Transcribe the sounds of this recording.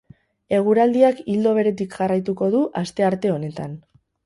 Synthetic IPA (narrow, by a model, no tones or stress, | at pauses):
e̞ɣ̞uɾald̪iakild̪o̞β̞e̞ɾe̞t̪ikʝarajt̪uko̞ðuʔast̪e̞aɾt̪e̞o̞ne̞t̪an